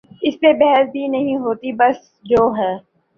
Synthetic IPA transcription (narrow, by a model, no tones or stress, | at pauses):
ɪspebɛɦəsbʱinɐɦĩɦoːt̪ibɐs | d͡ʒoːɦɛː